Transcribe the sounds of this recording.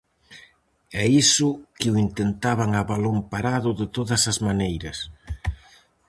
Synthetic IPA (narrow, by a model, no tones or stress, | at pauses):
ɛisʊkɪʊint̪ent̪aβaŋaβalompaɾaðʊðɪt̪oðɐsɐzmanejɾɐs